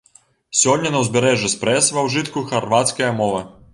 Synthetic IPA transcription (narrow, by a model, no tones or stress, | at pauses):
sʲɔnʲːɐnɐwzʲbʲɛɾɛʐuspɾɛsvɐwʐɨt̪kuxɐrvat̪skɐjɐmɔvɐ